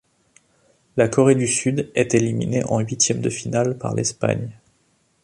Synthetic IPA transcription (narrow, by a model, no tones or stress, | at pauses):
lakɔʁed̪ysyd̪ɛt̪elimḭneʔɑ̃ɥit̪jɛmd̪əfinalpa̰ʁlɛ̰spa̰ɲ